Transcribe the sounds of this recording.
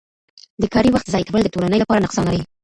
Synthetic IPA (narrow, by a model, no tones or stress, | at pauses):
d̪əkɑɾiwaxt̪zɑjt̪awəld̪ət̪olanəjlapɑɾanʊqsɑnaɾa